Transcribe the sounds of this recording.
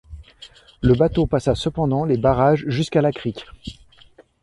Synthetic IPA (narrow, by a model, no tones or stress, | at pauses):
ləbat̪opasasəpɑ̃d̪ɑ̃lebaʁaʒʒyskalakχikʲ